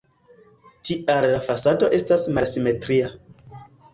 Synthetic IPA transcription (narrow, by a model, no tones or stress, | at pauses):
tiʔallafasado̞ʔe̞stasmalsime̞tɾia